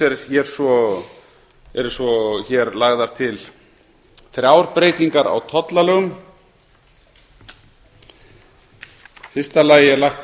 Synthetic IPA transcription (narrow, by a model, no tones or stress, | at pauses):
ɛɾçɛɾ̥svɔ | ɛɾsɔçɛɾlaɣðaɾ̥t̪ʰɪl | θɾjawɾpɾeːjt̪iŋkaɾa̰wt̪ʰɔt̪lalœɣʏm | fɪr̥st̪alaːjɪɛɾlajxt̪